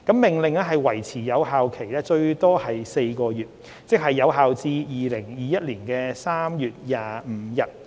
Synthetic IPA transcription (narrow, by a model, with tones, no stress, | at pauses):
kɐ˨˥mːɪ˨ŋlɪ˨ŋɛː˥ɦɐ˨jwɐ˨˩jt͡sʰiː˨˩jɐ˨˧wɦaː˨wkʰe˨˩jlɛː˥t͡ʃɵ˧ɥt̪ɔː˥hɐ˨jse˧jkɔː˧jyː˨˩t̚ | t͡sɪ˥k̚hɐ˨jːɐ˨˧wɦaː˨wt͡siː˧jiː˨lɪ˨˩ŋjiː˨˧jɐ˥t̚liː˨˩nkɛː˧saː˥mjyː˨t̚jaː˨m̩˨˧˦jɐ˧t̚